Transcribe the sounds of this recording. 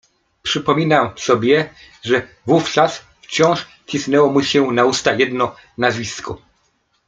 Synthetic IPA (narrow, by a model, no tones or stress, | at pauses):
pʂɘpɔmʲinamsɔbʲjɛ | ʐɛ | vuft͡ʂas | ft͡ɕɔ̃w̃ʂ | t͡ɕisnɛwɔmuɕɛnaust̪ajɛd̪nɔ | nazvʲisku